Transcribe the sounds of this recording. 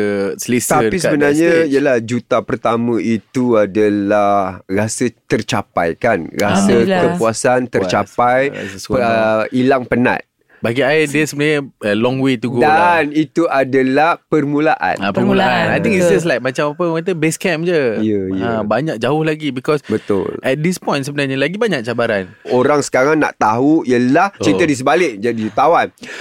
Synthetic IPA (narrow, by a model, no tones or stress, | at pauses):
əslist̪is̬əbənarɲə̃iəlahd͡ʒut̪apərt̪amə̃it̪uadalahrasət̪ərt͡ʃapa̰jkanrasəkəpuasant̪ərt͡ʃaaj̰əilaŋpəna̰t̪̚ | baɡiaɪdəsəbənaɲəəlɔ̃ŋwet̪uɡdanit̪uadalahpərmũlaʔa̰napərmulaanajt̪ĩŋkisis̬lajk̚mãt͡ʃamapəə̃kat̪əbɛskɛmd͡ʒəjəjabaɲak̚d͡ʒaʊhlaɡibikɔsbət̪ʊ̰lʔɛt̪̚dispɔ̃jntsəbənarɲəlaɡibaɲãk̚t͡ʃabaɾanoɾaŋsə̥kaɾaŋna̰ʔt̪aɦujəlaht͡ʃɾit̪ədis̬əbalɪʔ̚d͡ʒadiut̪awan